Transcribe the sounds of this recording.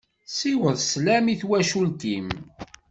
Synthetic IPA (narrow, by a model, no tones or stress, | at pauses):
siwəðˤslæmiθwæʃult̪im